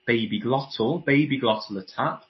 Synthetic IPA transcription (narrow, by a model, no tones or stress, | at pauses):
b̥eɪbiɡlɒtʰəl̩ˠbeɪbiɡlɒtʰˡl̩ˠətʰap̚